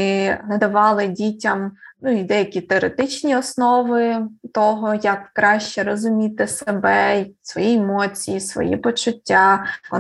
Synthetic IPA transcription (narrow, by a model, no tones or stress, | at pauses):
nɐd̪ɐʋɑlˠɪdʲitʲɐmnuid̪ɛjɐkʲit̪eɔɾet̪ɪt͡ʃnʲiɔsnɔʋɪt̪ɔɦɔjɐkːɾɑʃt͡ʃɛɾɔzʊmʲit̪ɪsebɛsʋɔjiemɔt͡sʲijisʋɔ̰jḭpɔt͡ʃʊtʲːaɔ